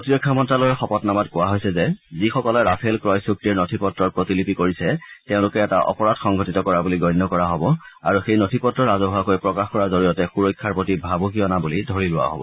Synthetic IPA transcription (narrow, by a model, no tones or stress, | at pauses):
potiɹɔkʰːamɔntɹalojɛxɔpɔtnamatkɔwaɦojsɛzɛzixɔkɔlɛɹapʰelkɹɔjsuk̚tiɛɹnotʰipɔtɹɔɹpɹotilipikoɹisɛteʊ̃lʊkɛɛta̰ʔɔ̰pɔɹatxɔŋɡʱɔtitɔkɔɹabuliɡɔjnːɔkɔɹaɦɔbɔ | a̰ɹuxejnotʰipɔtːɹɔɹazɔɦʊakojpɹɔkaxkɔɹaɹzoɹijɔtɛxuɹɔjkʰːaɹpotibʱabɔkiɔnabulidʱoɹilʊwa̰ɦɔ̰bɔ̰